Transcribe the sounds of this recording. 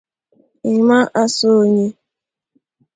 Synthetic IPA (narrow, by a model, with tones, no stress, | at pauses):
i˨ma˦ʔa˦so˦˨ɲe˦